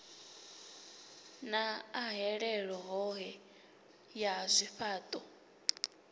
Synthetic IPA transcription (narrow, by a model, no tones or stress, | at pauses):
naːɦɛɺɛɺɔɦɔɦɛ | jazʷiɸaːt̪ʼɔ